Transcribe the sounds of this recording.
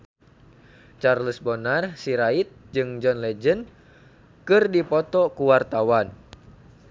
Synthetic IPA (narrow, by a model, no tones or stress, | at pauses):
t͡ʃarləsbɔnarsiɾait̪̚d͡ʒɨŋd͡ʒɔnlɛd͡ʒən | kɨrdipɔt̪ɔkuwart̪awan